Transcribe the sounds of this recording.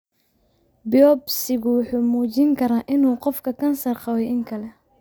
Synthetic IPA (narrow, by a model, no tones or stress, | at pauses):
bɔbsɪɣʊwʊħuːmuːt͡ʃɪŋkʰɐɾaːʔɪnuːqɔfkʰɐkʰɐnsɐrqɑwɛjʔɪŋkʰɐlɛ